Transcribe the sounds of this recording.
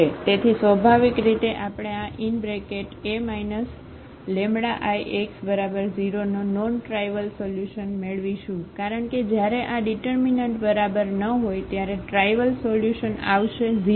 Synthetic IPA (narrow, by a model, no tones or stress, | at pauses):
et̪et̪ʰisʋəbʱaʋikɾit̪eʔapɽ̃eãʔinbɾekeʈemainəs | lẽmɽaʔajʔeksbəɾabəɾd͡ʒiɾonononʈɾajʋəlsoljuʃənmeɭʋiʃũkaɾəɳked͡ʒjaɾeʔaɖiʈəɾminəɳʈbəɾabəɾnəɦojt̪jaɾeʈɾajʋəlsoljuʃəna̰ʋʃed͡ʒi